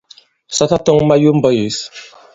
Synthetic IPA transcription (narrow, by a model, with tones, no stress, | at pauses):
sa˦ta˦tɔ˦ŋma˦ju˦m˦bɔ˦ji˨s